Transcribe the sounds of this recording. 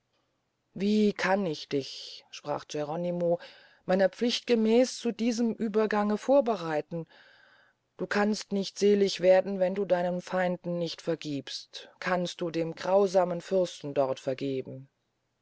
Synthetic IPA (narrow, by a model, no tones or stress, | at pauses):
viːkʰanɪçd̥ɪçʃpʁ̥a̰ːχd͡ʒ̥ɛʁɔnimoː | maɪnɐp͡flɪçt̚ɡ̥əmɛːst͡sudiːzəmʔyːbɐɡaŋəfoːɐbəʁaɪtn̩ | d̥uːkʰanstnɪçtz̥eːlɪçv̥eːɐdn̩vɛnduːdaɪnənfaɪndn̩nɪçtfɛɐɡiːpstkʰanst̚d̥uːdeːmɡʁaʊzaːmənfʏʁstn̩dɔʁtfɛɐɡeːbm̩